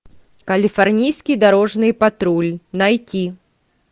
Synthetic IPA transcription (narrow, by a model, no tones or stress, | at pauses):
kɐlʲifarnʲijsʲkʲid̪aɾɔʐnɨjpat̪ɾulʲnajtʲi